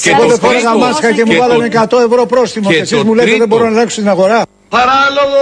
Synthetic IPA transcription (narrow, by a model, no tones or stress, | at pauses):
ceɣoðefeneɣɐmɐsxɐce̞muvɐlɐnekɐt̪o̞e̞vɾo̞pɾo̞sθimoesizmuleeðebo̞ɾonɐleksot̪inɐɣo̞ɾɐ | pɐɾɐloɣ